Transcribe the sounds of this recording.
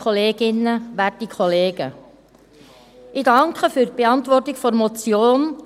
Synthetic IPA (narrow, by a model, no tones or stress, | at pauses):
ɔleːɡɪnːəʋætikʰχɔleːɡ̥ə | ɪdɑŋkχəfyɾ̚b̥eɑntʋɔrtɪkfɔɾmɔt͡sjoːn